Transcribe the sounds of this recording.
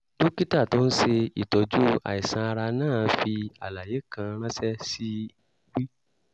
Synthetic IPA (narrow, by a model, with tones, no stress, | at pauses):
to˦ki˦ta˦˨to˦n̩˦se˧ḭ˨tɔ˨d͡ʒu˦a̰˨i˨sã˧a˧ɾa˧nãː˦˨˦fi˧a̰˨la˨je˨˦kã˧ɾ̃ã˦sɛ˦si˦˨ | ɡ͡bi˦